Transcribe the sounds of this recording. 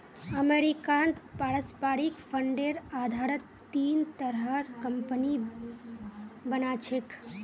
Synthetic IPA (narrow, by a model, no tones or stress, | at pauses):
əmeɾikant̪paɾəspaɾikpʰəɳɖeɾaːd̪ʱaɾət̪ːiːnt̪əɾɦəɾkəmpəni | bənat͡ʃʰek